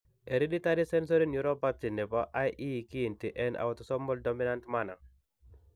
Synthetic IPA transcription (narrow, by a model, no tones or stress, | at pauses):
eɾiditaɾisɛns̬ɔɾinjuɾɔpasinɛpaʔajʔikintiʔɛna̰wɔtɔsɔmbɔldɔminantmanaŋ